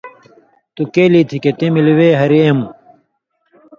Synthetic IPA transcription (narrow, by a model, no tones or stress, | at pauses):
t̪ukeːlit̪ʰiket̪imiliweːɦɐɾiem